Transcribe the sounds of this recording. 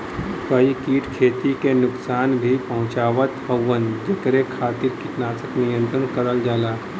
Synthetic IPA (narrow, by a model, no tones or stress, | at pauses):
kəikiːʈkʰeːt̪ikenʊksaːnbʱipɐɦʊ̃t͡ʃaːʋət̪ɦəwənd͡ʒɐkɾekʰaːt̪ɪɾkit̪naːsəknɪjə̃nt̪ɾənkəɾəld͡ʒaːlaː